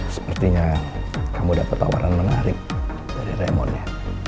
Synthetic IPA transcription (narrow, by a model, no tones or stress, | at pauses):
sə̥pərt̪iɲakamudapat̪ːa̰wa̰ɾʔanmənaɾɪp̚ | daɾiremɔnɲa